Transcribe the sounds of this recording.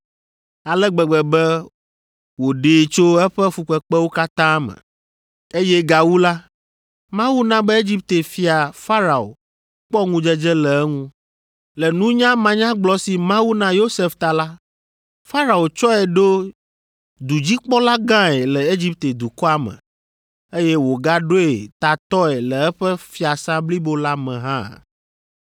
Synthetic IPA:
a˨lɛ˦ɡ͡bɛ˨ɡ͡bɛ˨bɛ˦ | wo˨ɖeː˨t͡ʃo˦ɛ˦ɸɛ˦fu˨k͡pɛ˨k͡pɛ˦wo˦ka˦t̪ã˦mɛ̰̃˨ | e˦jɛ˦ɡa˨wu˦la˦ | mã˦wu˦nã˦bɛ˦e˦d͡ʑi˦p̚t̪e˨fi˦a˨fa˦ɾa˨o̰˨ | k͡pɔ˦ŋũ˦d͡ʒɛ˦d͡ʒɛ˦lɛ˨ɛ˦ŋũ˦ | lɛ˨nũ˦ɲã˦mã˨ɲã˦ɡ͡blɔ˦si˨mã˦wu˦nã˦jo˦se˨ft̪a˨la˦ | fa˦ɾa˨o˨t͡ʃɔ˦ɛ˨ɖo˦ | d̪u˨d͡ʑi˦k͡pɔ˦la˦ɡã˦ɛ˨lɛ˨e˦d͡ʑi˦p̚t̪e˨d̪u˨kɔ˦a˦mɛ̰̃˨ | e˦jɛ˦wo˨ɡa˦ɖo˦e˨t̪a˨t̪ɔ˦ɛ˨lɛ˨ɛ˦ɸɛ˦fi˦a˨sã˦bli˦bo˦la˦mɛ̃˨ɦã̰˦˨

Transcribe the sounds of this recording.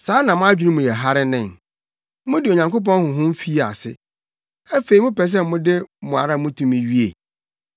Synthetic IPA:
saː˨˦nã˨mʊ̃˦a˦d͡ʑᶣi˦nũ˦mʊ̃˨jɛ˨ɦa˦ɾɪ˦nɪ̃˨n | mʊ̃˦dɪ˨o˨ɲã˨ŋko˦p̬ɔ̃˦nhʊ̃˨ɦʊ̃˦m̩˦fi˦˨a̰˨sɪ˦ | æ˦fe˨i˨mʊ̃˦pɛ˨s̬ɛ˦m˦mʊ̃˦dɪ˦mʊ̃˨a̰˨ɾa˦mʊ̃˦tʰũ˦mĩ˨ɥi˦ḛ˨

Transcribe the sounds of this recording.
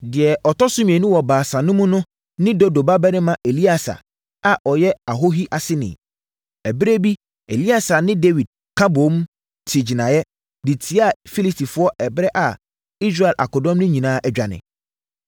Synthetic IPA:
dɪ˨ɛ˨ɔ˨tɔ˦sʊ˦mĩ˨ɛ˨nũ˦wɔ˨baː˨sa˨nʊ̃˦mʊ̃˦nʊ̃˦ | nɪ̃˦do˦do˨ba˦bɛ˦nɪ̃˦mã˨ʔe˨li˦a˨sa̰˨ | a˨ʔɔ˨jɛ˦a˨ɦo˦ɦi˦ʔa˨sɪ˦nɪ̰̃˨ | ɛ˨be˦bi˦ | ḛ˨li˦a˨sa˨nɪ̃˦de˦wi˨d̚ | kʰã˦bo˨˦m˦ | tʰɪ˨d͡ʑi˨nã˨jɛ˦ | dɪ˨tʰi˨˦a˦˨fi˦li˦sti˨fʊ˦ɔ˦ʔɛ˨bɾɛ˦ʔa˨ | i˦s̬ɾa˦˨ɛ˨lʔa̰˨kɔ˨dɔ̃˦mnʊ̃˦ɲĩ˨nãː˨˦ʔɛ˨d͡ʑᶣa˨nɪ̰̃˨

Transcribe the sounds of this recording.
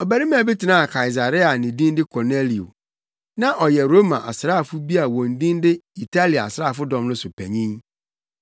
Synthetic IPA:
ɔ˨bæ˨ɾi˦m˦æ̃˨bi˦tʰɪ˨nã˦˨kʰa˨i˨s̬a˨ɾɪ˦a˨nɪ̃˨dĩ˦ndɪ˦kʰɔ˨ne˦li˨o̰˨ | nã˦ʔɔ˨jɛ˨ɾo˦mã˨ʔa̰˨sɾaː˦˨fʊ˦bi˦a˨wɔ̃˨n˦dĩ˦n˦dɪ˦i˨tʰa˦li˨a̰˨sɾa˦˨fʊ˦dɔ̃˨mnʊ̃˦sʊ˨pʰæ˨ɲĩ˦n

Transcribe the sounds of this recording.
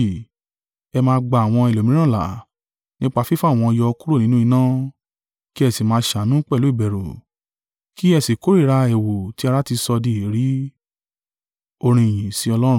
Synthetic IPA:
ɛ˧mãː˧˦˧ɡ͡ba˧˨a˨w̃ɔ̃˧i˨lo˨mĩ˨˦ɾ̃ã˦˨la̰˨ | nĩ˦k͡pa˧fi˦fa˦˨w̃ɔ̃˧jɔ˧ku˦ɾo˦˨nĩ˨˦nũ˦i˧nã˦ | ki˦ɛ˧˨si˨mãː˧ʃa˨˦nũ˦k͡pɛ˦˨lu˨˦i˦˨bɛ˨ɾo˨ | ki˦ɛ˧˨si˨ko˨˦ɾi˦˨ɾa˧ɛ˨wo˨ti˨˦a˧ɾa˦ti˧sɔ˧di˧˨ɾi˨˦ | o˧ɾ̃ĩ˧˨j̃ĩ˨si˨˦ɔ˧lɔ˦ɾ̃

